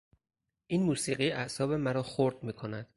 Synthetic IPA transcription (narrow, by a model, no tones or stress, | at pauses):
ʔiːnmuːsiːɢiːæhsɒːbe̞mæɾɒːxoɾd̪̥̚miːkʰo̞næd̪̥